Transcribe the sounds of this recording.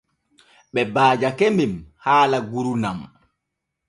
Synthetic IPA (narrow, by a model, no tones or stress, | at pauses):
ɓɛbaːd͡ʒakembimhaːlaɡuɾunam